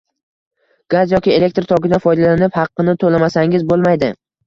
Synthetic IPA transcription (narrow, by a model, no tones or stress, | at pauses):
ɡ̥azjɒkʲɪe̞le̞k̚ʲt̪ɾt̪ʰɒɡʲɪd̪afɒjd̪alanɪphɑqːɨnɪt̪ʰolamasaŋɪzbolˠmajd̪ɪ